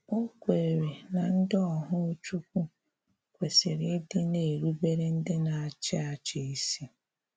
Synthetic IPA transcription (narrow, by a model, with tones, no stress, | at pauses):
o˦kʷe˨ɾe˨na˨n̩˦dɪ˦ɔ˨ɦʊ˦t͡ʃu˦kʷu˦ | kʷe˨sɪ˨ɾɪ˦dɪ˦ne˨ɾu˦be˦ɾɪ˦n̩˦dɪ˦na˨a˨t͡ʃɪ˦a˨t͡ʃɪ˦i˦si˦